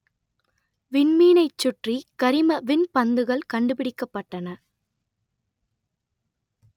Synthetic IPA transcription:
ʋɪnmiːnɐɪt͡ʃːʊʈrikɐɾɪmɐʋɪnpɐnd̪ɯɣɐɭkɐɳɖɯpɪɽɪkːɐpːɐʈːɐnɐ

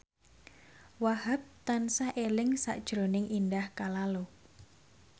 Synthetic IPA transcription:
wahap̚t̪ansaʔelɪŋsa̰ʔd̥ʒ̥ɾonɪŋʔindahkalalo

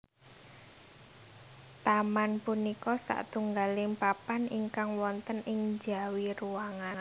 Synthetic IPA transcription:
t̪amanpunikɔsa̰ʔt̪uŋɡalɪŋpapaniŋkaŋwɔnt̪ənʔɪŋd͡ʒa̤wiruaŋan

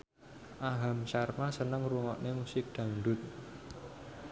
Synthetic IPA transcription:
ʔaɦamsarmasənəŋruŋɔʔnemusɪk̚d̪̥a̤ŋɳɖ̪ʊt̪̚

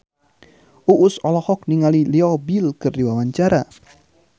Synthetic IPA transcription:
ʔuʔːsɔlɔhɔk̚niŋaliliɔbilkɨrdiwawaɲt͡ʃaɾa

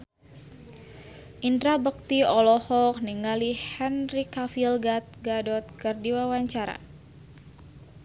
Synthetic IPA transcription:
ʔindɾabək̚t̪iɔlɔhɔk̚niŋalihɛnrikafilɡat̪̚ɡadɔt̪̚kərdiwawaɲt͡ʃaɾa̰

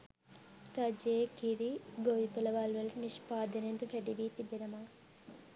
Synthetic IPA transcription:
t̪ɐd͡ʒeːkiɾiɡoʋipɐlɐʋaːlʋɐlniʃpaːd̪ɐnent̪upɛɖiʋiːt̪ibeɾɐmaː

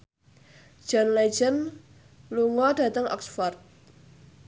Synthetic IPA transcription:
d͡ʒ̥ɔnlɛd͡ʒən | luŋɔdä̤t̪əŋʔɔ̰ksfɔrt̪̚

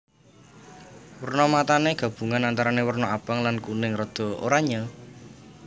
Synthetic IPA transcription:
wərnɔmat̪aneɡ̥ä̤b̥uŋanant̪aɾanewərnɔab̥aŋlankunɪŋrɔd̪̥ɔ̤o̰ɾaɲa

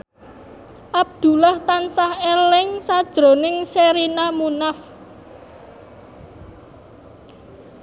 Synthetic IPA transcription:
ʔab̚d̪̥ṳlaht̪ansahelɪŋsad̥ʒ̥ɾo̤nɪŋseɾinamunaf

